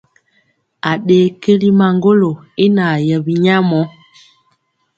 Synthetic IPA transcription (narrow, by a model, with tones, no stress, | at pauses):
a˨ɗeː˨˦ke˦li˦ma˨ŋɡo˦lo˨e˦na˨jə˨bi˨ɲa˦mɔ˦